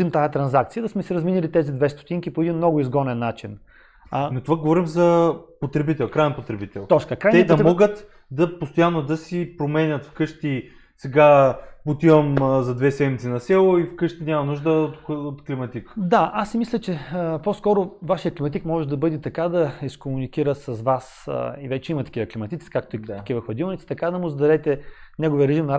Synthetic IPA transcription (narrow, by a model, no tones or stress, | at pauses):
imt̪ajət̪ɾɐnzakt̪sijəd̪ɐsmɛsiɾɐzminilit̪ɛzid̪vɛst̪o̥t̪iŋk̟ipoɛd̪inmnɔɡʊizɡɔnɛnːat͡ʃin | not̪ovaɡovɔɾimzɐpot̪ɾɛbit̪ɛlˠkɾaɛnpot̪ɾɛbit̪ɛlˠt̪ɔt͡ʃkəkɾaj̪nɛd̪ɐt̪ɾɛmɔɡət̪ | d̪ɐpost̪ojanːod̪ɐsipɾomɛnʲɐt̪fkɤʃt̪i | sɛɡapot̪ivɐmzɐd̪vɛsɛd̪mit̪sinɐsɛlˠoifkɤʃt̪inʲamɐnuʒd̪əot̪ot̪klimɐt̪ikd̪aasːɛmislʲət͡ʃɛəposkɔɾʊvaʃijəklʲimɐt̪̬ikmɔʒɛd̪ɐbɤd̪ɛt̪ɐkad̪ɐiskomunikiɾəsɐzvasivɛt͡ʃɛimɐt̪ɐ̥kivɐklʲimɐt̪it̪i̥kak̚t̪oitt̪kʲivɐxvɐd̪ilˠnʲit̪si̥t̪ɐkad̪ɐmʊzd̪ɐɾɛt̪ɛnɛɡʊvijəɾɛʒimnɐ